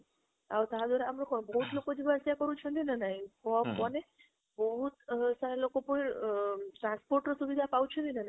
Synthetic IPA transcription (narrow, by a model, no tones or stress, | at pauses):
aot̪ad̪ʱɔɾeamɾokɔbəɦut̪lokod͡ʒibasjakɔɾũt͡ʃʰũnd̪inanaɦĩkɔpɔne | bəɦut̪saɾalokopɔɳ | ʈɾãnspoɾʈnɔsuʋid̪ʱapaũt͡ʃʰũnd̪inanai